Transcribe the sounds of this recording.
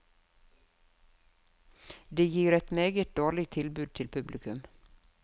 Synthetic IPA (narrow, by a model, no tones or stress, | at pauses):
d̪eːjiːɾɛt̪meːɡət̪̚d̪oːɭɪɡt̪ʰɪlbʉːd̪̚t̪ʰɪlpʰʉblɪkʉm